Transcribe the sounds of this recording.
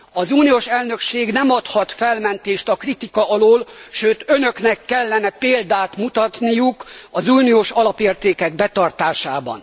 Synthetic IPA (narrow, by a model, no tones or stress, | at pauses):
ɒzuːnioʃɛlnø̞kʃeːɡnɛmɒt̪hɒt̪fɛlmɛnt̪eːʃt̪ɒkrit̪ikɒʔɒloːlʃøːt̪ønø̞knɛkːɛlːɛnɛpeːld̪aːt̪mut̪ɒt̪nijukɒzuːnioːʃɒlɒpeːrt̪eːkɛɡbɛt̪ɒrt̪aːʃaːbɒ̰n